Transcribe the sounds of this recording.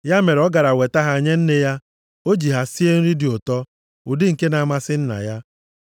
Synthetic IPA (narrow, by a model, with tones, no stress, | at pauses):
ja˦me˨ɾɔ˦ɡa˨ɾa˨we˨ta˦ɦa˨ɲe˦n̩˦ne˦ja˦ | o˦d͡ʒi˨ɦa˨si˦e˦n̩˦ɾi˦di˨o˨tɔ˦ | u˨dɪ˦ŋ̩˨ke˦na˨ma˦sɪ˦n̩˦na̰˨ja˦